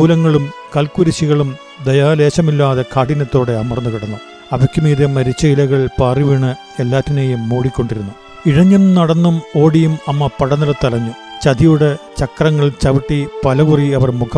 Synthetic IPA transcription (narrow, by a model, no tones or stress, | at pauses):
uːlɐŋːɐɭumkɐlkuɾiɕiɣɐɭum | d̪ɐjaːle̞ːɕɐmilːaːðekʰaːɽinɐt̪ːo̞ːɽe̞ɐmɐrnːukiɽɐnːu | ɐʋɐkʲːumiːðemɐɾit͡ɕːɐjilɐɣɐɭpaːriʋiɳɨ | e̞lːaːtːineːjumːoːɽikʲːo̞ɳɖiɾunːu | iɻɐɲːɐnnɐɽɐnːumo̞ːɽijumɐmːɐpɐɽɐnɐlɐt̪ːɐlɐɲːɨ | t͡ɕɐd̪ijuɽe̞t͡ɕɐkrɐŋːɐɭt͡ɕɐʋiʈːipɐlɐɣuriɐʋɐrmukʰ